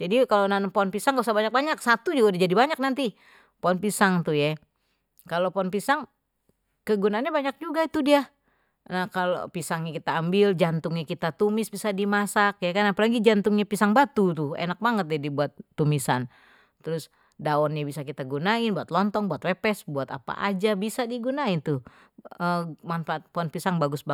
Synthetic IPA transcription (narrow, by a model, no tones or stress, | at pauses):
d͡ʒadikalonanpoɔnpisaŋɡausabaɲak̚baɲak̚sat̪ud͡ʒuɡadad͡ʒadibaɲak̚nant̪i | poɔnpisaŋt̪uja | kalopɔnpisaŋ | kəɡunaːnɲabaɲak̚d͡ʒuɡait̪udia | nahkalo̰pisaŋɲakit̪aːmbɪld͡ʒant̪ʊŋɲakit̪at̪umɪsbisadimasakjakanapalaɡid͡ʒant̪ʊŋɲapisaŋbat̪ut̪ʊḛnak̚baŋət̪̚jadibuat̪ːumisan | t̪əɾʊs | daɔnɲabisakit̪aɡunaɪnbuat̪lɔnt̪ɔŋbuat̪wepɛsbuat̪a̰pa̰ʔa̰d͡ʒabisadiɡunaɪnt̪ʊ | əmanfaat̪̚pɔnpisaŋbaɡʊsba